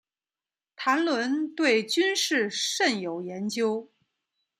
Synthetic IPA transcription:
t̪ʰa˧˥nlwə˧˥nt̪we˥˩ɪt͡ɕy˥nʂɻ̩˥˧ʂə˥˩njo˨˩ʊjɛ˧˥nt͡ɕjo˥ʊ

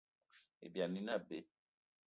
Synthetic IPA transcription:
ḛ˨bja˨nĩ˦na˦˨be˨

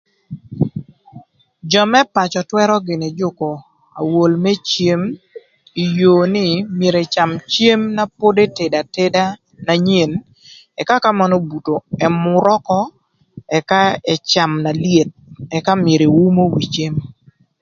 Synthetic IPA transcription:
d͡ʒɔ˨mɛ˦pa˨t͡ʃɔ˨twɛ˦ɾɔ˦ɡɪ˨nɛ˨d͡ʒʊ˦ko˨ | a̰˨wo˨lmɛ˦t͡ʃje˦m | i˨jo˨nɪ˦mje˨ɾe˨t͡ʃa˨mt͡ʃje˦mna˦po˦de˦te˨da˨te˦da˦ | na˨ɲe˨n | ɛ˨ka˦ka˦ma˦nɔ˦bu˨to˨ɛ˨mʊ˨ɾɔ˦kɔ˦ | ɛ˨ka˦ɛ˨t͡ʃa˨mna˨lje˨t̚ɛ˨ka˦mje˨ɾe˨wu˦mo˦wi˨t͡ʃe˦m

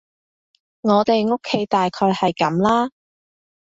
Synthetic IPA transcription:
ŋɔː˨˧t̪e˨jŋo˥kʰːe˨˧˥jt̪aː˨jkʰɔː˧jhɐ˨jkɐ˨˥mlaː˥

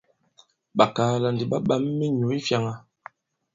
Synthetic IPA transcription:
ɓa˨kaː˨˦la˨ndi˨ɓa˦ɓa˦mː˦i˦ɲo˨˦i˦fja˦ŋa˨

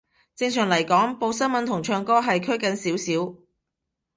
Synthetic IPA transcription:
t͡sɪ˧ŋsœː˨˩ŋlɐ˨˩jkɔː˨˥ŋpo˧wsɐ˥nmɐ˨˥nt̪ʰʊ˨˩ŋt͡ʃʰœː˧ŋkɔː˥ɦɐ˨jkʰɵ˥ɥkɐ˨˧nsiː˨˥wsiː˨˥w

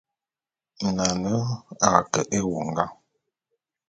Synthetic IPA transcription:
na˨nə˦a̰˨kə˨ʔe˦wu˨ŋ˦ɡa˦

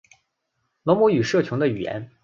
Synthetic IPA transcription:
lɔ˧˥mu˧˥y˨˩ʂɤ˥˩t͡ɕʰʊ˧˥ŋd̪ə˧y˨˩jɛ̰˧˥n

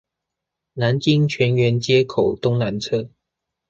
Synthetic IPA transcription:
na˧˦nt͡ɕi˦ŋt͡ɕʰɥɛ˨˦nɥɛ˨˧˥nt͡ɕjɛ˦˥kʰo˨˩ʊt̪ʊ˦ŋna˨˦nt͡sʰɤ˥

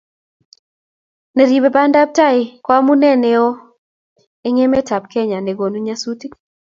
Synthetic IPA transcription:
ne˨ɾi˨be˨ba˦nda˦p̚ta˦ɪ˨kwa˦mu˦nɛ˦ne˦o˦ | e˦ŋe˦me˦ta˨p̚kɛ˦ɲa˨ne˨ɡo˨nu˦ɲa˦su˦ti˦

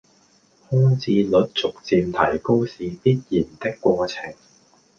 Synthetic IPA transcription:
hɔː˥ŋt͡siː˧lɵ˨˥t̚t͡sʊ˨k̚t͡siː˧mt̪ʰɐ˨˩jko˥wsiː˨piː˥t̚jiː˨˩nt̪ɪ˥kːʷɔː˧t͡sʰɪ˨˩ŋ

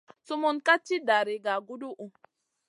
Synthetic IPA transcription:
su˦mu˦nka˦t͡ʃːi˦da˨ɾi˨ɡa˨ɡu˦du˦ʔu˨

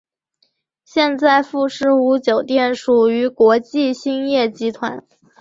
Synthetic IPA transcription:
ɕjɛ˥˧nt͡sa˥˧ɪfu˥˧ʂɻ̩˥˩u˧˥t͡ɕjo˨˩ʊt̪jɛ˥˩nʂu˨˩y˧˥kwɔ˧˥t͡ɕi˥˩ɕi˥ŋjɛ˥˩t͡ɕi˧˥t̪ʰwa̰˧˥n

